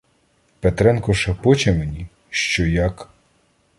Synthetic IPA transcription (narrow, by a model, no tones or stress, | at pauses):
pet̪ɾɛnkɔʃɐpɔt͡ʃɛmenʲi | ʃt͡ʃɔjak